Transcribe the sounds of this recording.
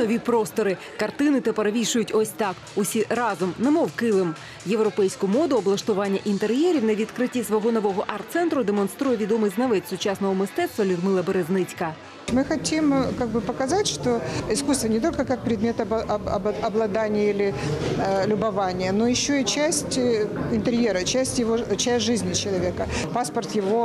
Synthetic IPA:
nɔʋʲipɾɔst̪ɔɾɪ | kɐrt̪ɪnɪt̪ɛpɐɾʋʲiʃʊjʊtʲɔsʲt̪ɑk | ʊsʲirɑzʊmnɛmɔwkɪlˠɪm | jewɾɔpɛjsʲkʊmɔd̪ʊɔblˠɐʃt̪ʊʋɑnʲːɐʔint̪erjɛɾʲiwnɐʋʲid̪kɾɪtʲːisʋɔɦɔnɔʋɔɦɔʔɑrt̪t̪sɛnt̪ɾʊd̪emɔnst̪ɾujɛʋʲid̪ɔmɨjznɐʋɛtʲsʊt͡ʃɑsnɔɦɔmɪst̪ɛt̪st̪ʋɐlʲʊd̪mɨlˠɐbeɾeznɪt͡sʲkɐ | mɨxɐtʲimkaɡ̚bɨpəkɐzatʲʂt̪oɪskust̪vənʲɪt̪o̞lʲkəkak̚pɾʲɪd̪mʲe̞t̪ɐbɐɐbɐblˠɐd̪anʲɪjilʲɪ | lʲʊbɐvanʲɪjənojɪɕːoit͡ɕæsʲtʲɪnt̪eɾʲjeɾət͡ɕæsʲtʲjɪvot͡ɕæsʲtʲʐɨzʲnʲɪt͡ɕɪlˠɐvʲekəpaspɐrt̪jɪvo

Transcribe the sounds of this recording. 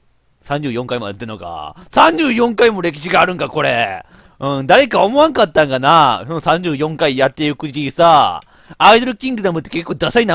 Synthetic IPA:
sãɲd͡ʑɨːjõ̞ŋkaimojat̪ːenoka̰sãɲ̟d͡ʑɨːjõ̞ŋkaimo̞ɾe̞kʲi̥ɕiɡaːɾɯ̟̃ŋkako̞ɾe | ɯ̟̃ɴd̪aɾe̞kaomoβãŋkat̪ːãŋkanasonosãɲ̟d͡ʑɨːjõ̞ŋkaijat̪ːe̞ɯkɯ̟ʑisaː | id̪o̞ɾɯ̟kʲĩŋɡɯ̟d̪amɯ̟t̪ːe̞ke̞kːo̞ːd̪asaina

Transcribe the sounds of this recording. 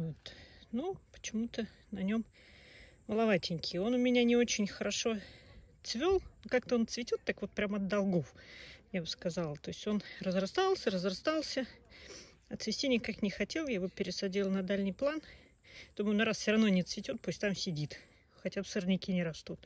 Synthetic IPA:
vot̪nupə̥t͡ɕɪmut̪ə | nɐnʲo̞m | məlˠɐvatʲɪnʲkʲʰɪo̞nʊmʲɪnʲanʲɪo̞t͡ɕɪnʲxəɾɐʂo̞t̪svʲo̞lˠnokak̚t̪əo̞nt̪svʲɪtʲot̪ːakvo̞t̪̚pɾʲamɐd̪dːɐlˠɡofjabɨskɐzɑlˠət̪o̞ɪsʲtʲo̞nrəzrɐst̪alˠsʲərəzrɐst̪alˠsʲə | ɐt̪svʲɪsʲtʲinʲɪkaknʲɪxɐtʲe̞lˠjajɪvopʲɪɾʲɪsɐdʲilˠnɐd̪alʲnʲɪjplˠan | d̪ommnʲɐɾassʲɪɾɐvnonʲɪt̪svʲɪtʲot̪̚pusʲtʲt̪amsʲɪdʲit̪ | xɐtʲabsərnʲɪkʲinʲɪɾɐst̪ut̪̚

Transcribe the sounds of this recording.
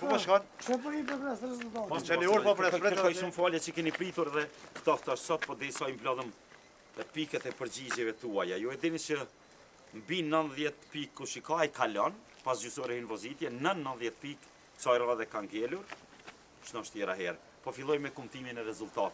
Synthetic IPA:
pɔbakɔʃɔpɔhipɔpɾɛsɾɛzult̪at̪pɔɛniɔɾɔpɾɛɾɛkaiʃumfalɛt͡ʃəkɛnipɾit̪uɾɛðɛvt̪ɔft̪aʃsɔt̪̚pɔd̪ɛɾisaimblɔlˠəm | pikɛt̪ɛpəɾd͡ʑid͡ʑɛvɛt̪uajajuɛd̪init͡ʃə | mbinnːənðjɛt̪pikːuʃikajkʰalɔn | pasd͡ʑysɔɾɛinvɔzit̪jɛnənːənðjɛt̪pik | t͡sajɾaɛðɛkaŋɡɛluɾ | ʃnɔʃt̪jɛɾaɦɛɾɛ | pɔfilˠɔjmɛkumt̪iminɛɾɛzult̪at̪

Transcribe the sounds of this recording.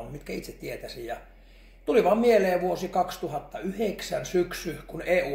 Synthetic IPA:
nmit̪kæit̪set̪t̪iet̪æsijɑ | t̪uliʋɑmmieleːʋuosikɑkst̪uhɑt̪ːɑyheksænsyksyhkuneːuː

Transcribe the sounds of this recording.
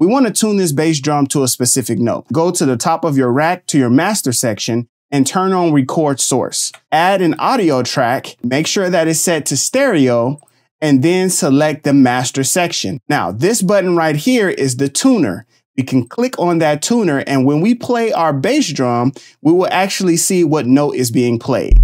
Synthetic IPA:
wiwɑ̃nɨtʰũnðɪs̬b̥eɪs̬dɹʌ̃mtʰəːspɨsɪfɨk̚no̰ʊt̚ɡ̥oʊɾɨðɨtʰɑpʌvjə˞ɹæk̚tʰɨjə˞mæstə˞sɛkʃɨ̃n | ɨ̃ntʰɜ̃˞nə̃n̩ɹikʰɔɹd̥sɔ̰ɹsæɾɨ̃nɑɾioʊtʰɹ̥ækmeɪkʃʊɹðɨɾɨtsɛtʰɨstɛɹioʊ | ɨ̃nðɨ̃nsəlɛk̚t̪̚ðɨmæstə˞sɛkʃɨ̰̃nːaʊðɪsb̥ʌʔn̩ɹaɪt̚hiɹɪzðɨtʰũnə̰˞ | wikʰɨ̃n̩kʰl̥ɪkn̩ðɨtʰũnə˞ʔɨ̃nwə̃nwipʰl̥eɪʔaʊə˞beɪsdɹɑ̃m | wiwəlˠʔæk̚t͡ʃul̩ˠisiwʌtⁿnoʊɾɪzbiɪ̃ŋpʰl̥eɪd̥̚

